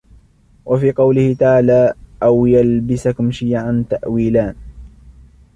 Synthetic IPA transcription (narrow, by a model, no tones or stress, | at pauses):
wʔafiːqɑwlɪhɪt̪aʕaːlaːʔawjalbɪsakʊmʃiːʕant̪aʔwiːlaːn